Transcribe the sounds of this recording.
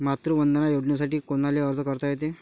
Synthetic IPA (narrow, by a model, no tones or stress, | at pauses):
mat̪ɾuʋənd̪ənajoɽɳjas̬aʈiːkoñaleəɾd͡zəkəɾt̪ajet̪e